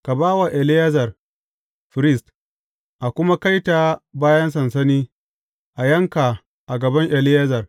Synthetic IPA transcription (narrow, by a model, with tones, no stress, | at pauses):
ka˨baː˦wa˨ʔɛ˨lɪ˦jɐ˦zɐ˨r | ɸɪ˨ɾɪ˦st | ʔa˨kʷʊ˦ma˦ka˦jta˨baː˦jɐ˦ns̬ɐ˨nsɐ˦niː˦ | ʔa˨jɐ˦ŋka˨ | ʔa˨ɡɐ˨bɐ˦ŋʔɛ˨lɪ˦jɐ˦zɐ˨r